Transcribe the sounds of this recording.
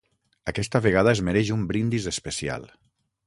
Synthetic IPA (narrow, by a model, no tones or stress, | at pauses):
akɛst̪aβeɣ̞aðaezmeɾɛʒumbɾind̪izespesia̰lˠ